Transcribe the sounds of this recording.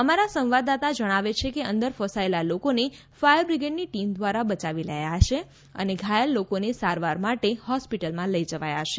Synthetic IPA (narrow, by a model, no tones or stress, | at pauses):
əmaɾasə̃mʋad̪at̪ad͡ʒəɽ̃aʋet͡ʃʰekeənd̪əɾfəsaelalokone | fajəɾbɾiɡeɖniʈimd̪ʋaɾabət͡ʃaʋiləjaɦʃe | ə̰neɡʱajəlːokonesaɾʋaɾmaʈehɔspiʈəlmãləijd͡ʒəʋajaʃe